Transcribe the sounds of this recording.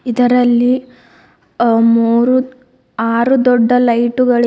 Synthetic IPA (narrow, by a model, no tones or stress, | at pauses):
id̪ɐɾɐlːi | muːɾu | aːɾud̪ɔɖːɐlɐjʈuɡɐɭ